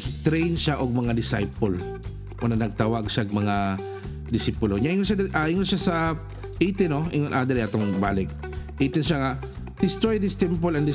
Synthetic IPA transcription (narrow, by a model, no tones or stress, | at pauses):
t̪ɾɛjnʃaʔoɡ̚mɐŋad̪ɪsa̰jpol | ʔonɐnɐɡ̚t̪awaɡʃaɡmɐŋa | d̪ɪsipʊloɲaʔiŋoʃad̪ʔaʔiŋonʃasɐ | ʔiːt̪ɪnoʔɪŋonʔad̪ɛɾɛʔat̪oŋbaːlɪk̚ | ʔiːt̪ɪnʃaŋa | d̪̥ɪst̪ɾojd̪ɪst̪ɛmpolɐnd̪ɪ